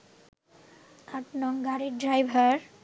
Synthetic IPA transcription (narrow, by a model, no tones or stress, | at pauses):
aʈnɔŋɡaɾiɖɾajbʱaɾ